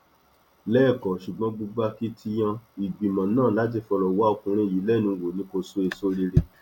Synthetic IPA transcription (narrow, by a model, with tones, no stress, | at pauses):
lɛː˦˨kɔ˨ʃu˨ɡ͡bɔ̃˧˦ɡ͡bu˧ɡ͡ba˧ki˦tʰi˧j̃ã˧i˨ɡ͡bi˨mã˨nãː˦˨la˦t̬i˧fɔ˧lɔ˨wa˨˦o˧˨kũ˧ɾ̃ĩ˧˨ji˨˦lɛ˦nũ˨˦˧wo˨nĩ˨˦ko˧so˦e˧so˦˧ɾe˧ɾe˧